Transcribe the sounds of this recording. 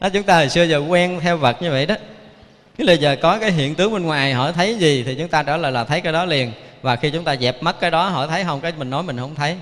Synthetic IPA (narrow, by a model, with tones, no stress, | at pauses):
ɗɔ˨˦t͡ɕʊ˨˦ŋ͡mt̪aː˧ə˨˩jsɨ˧əzəː˨˩kwɛ˧nt̪ʰɛ˧wvə˨˩t̚ɲɨ˧və̰˧˨jɗɔ˨˦ | nɨ˨˦ɓə˧jzəː˨˩kɔ˨˦kaː˨˦jɦḭ˧˨ənt̪ɨ˨˦əŋɓe˧nŋwaː˨˩jɦɔ̰˧˩t̪ʰə˨˦jzi˨˩t̪ʰi˨˩t͡ɕʊ˨˦ŋ͡mt̪aː˧t͡ɕaː˧˩ləː˨˩jlaː˨˩t̪ʰə˨˦jkaː˨˦jɗɔ˨˦li˨˩ənvaː˨˩xi˧t͡ɕʊ˨˦ŋ͡mt̪aː˧zɛ˨˩p̚mə˦˥t̚kːaː˨˦jɗɔ˨˦ɦɔ̰˧˩˨t̪ʰə˨˦jɦə˧wŋ͡mkaː˨˦jmï˨˩ŋ̟nɔ˨˦jmï˨˩ŋ̟hə˧wŋ͡mt̪ʰə˨˦j